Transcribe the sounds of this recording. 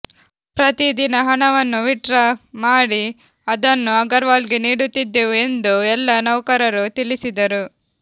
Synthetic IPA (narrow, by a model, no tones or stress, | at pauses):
pɾɐt̪id̪inɐɦɐɳɐʋɐnːuʋiʈɾɐmaːɽi | ɐd̪ɐnːuɐɡɐɾʋaːlɡeniːɽut̪ːid̪ːeʋue̞nd̪uɛlːɐnɐwkɐɾɐɾut̪ilisid̪ɐɾu